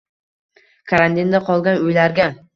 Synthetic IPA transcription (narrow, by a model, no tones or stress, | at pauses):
kʰaɾant̪ind̪aqʰɒlˠɡʲanʊjlaɾɡʲa